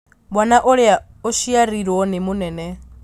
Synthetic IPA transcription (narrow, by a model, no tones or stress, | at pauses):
bwanaʔɔɺɛa | ɔʃijaɾiɾɔnɛmunɛːnɛ